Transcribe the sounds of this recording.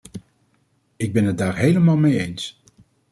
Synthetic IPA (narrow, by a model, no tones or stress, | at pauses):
ɪɡ̚bɛnɦət̚daːɹɦejləmaːlˠmejejns